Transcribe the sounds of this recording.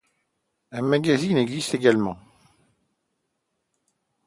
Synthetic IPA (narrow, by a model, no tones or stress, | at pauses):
ɛ̃maɡazineɡzist̪eɡalmɑ̃